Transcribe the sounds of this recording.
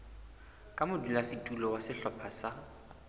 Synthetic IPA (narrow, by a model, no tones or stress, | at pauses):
kʼamʊdulasɪtʼulɔwasɪɬɔpʰasa